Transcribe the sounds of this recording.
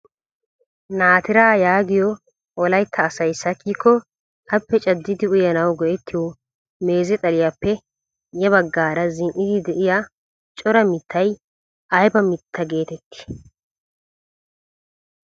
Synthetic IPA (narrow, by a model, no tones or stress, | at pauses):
naːt̪ɪɾaːjaːɡɪjɔ | ʔɔlɐjt̪ʰːɐːsɐjsːɐkːiːkːɔ | ʔɐpːɛt͡ʃʼɐd̪ːɪd̪ɪʊjɐnɐwɡɔjɛt̪ʰːɪjɔ | me̞ːzɛt̪ʼɐlɪjapːɛ | jɛβɐɡːaːɾɐzɪnʔɪd̪ɪd̪ɛʔɪja | t͡ʃʼɔɾɐmɪt̪ːɐj | ʔɐjbɐmɪt̪ʰːɐɡe̞ːt̪ɛt̪ːɪ̥